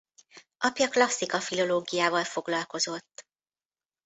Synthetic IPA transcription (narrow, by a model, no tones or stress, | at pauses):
ʔɒpjɒklɒsːikɒfilo̞loːɡijaːvɒlfo̞ɡlɒlko̞zo̞t̪ː